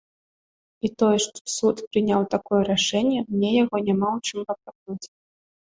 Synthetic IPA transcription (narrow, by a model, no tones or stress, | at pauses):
it̪ɔjɛʂt̪ɔ̥sut̪pɾɨnʲawt̪akɔjɛɾaʂɛnʲjɛmnʲɛjaɣɔnʲamawt͡ʃɨmpɐkɾaknut͡sʲ